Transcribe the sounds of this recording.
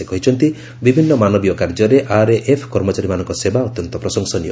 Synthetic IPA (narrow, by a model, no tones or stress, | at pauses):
ekɔɦit͡ʃʰɔnt̪i | bibʱinːɔmanɔbijɔkaɾd͡ʒɔɾeʔaɾeʔepʰkɔɾmɔt͡ʃaɾimanɔŋkɔsebaɔt̪jɔnt̪ɔpɾɔsɔŋsɔnijɔ̰